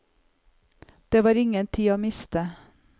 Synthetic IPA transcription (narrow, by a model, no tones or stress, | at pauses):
d̪̥eːʋɑːɾɪŋənt̪ʰiːoːmɪst̪ə